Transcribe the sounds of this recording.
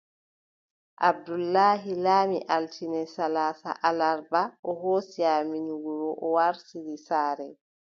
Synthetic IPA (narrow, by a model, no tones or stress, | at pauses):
ʔab̚dulːaːɦilaːmiʔaltʰinɛsalaːsa̰ʔalaɾbaʔɔɦoːsiaminuɡuɾɔʔɔwaɾsiɾisaːɾɛ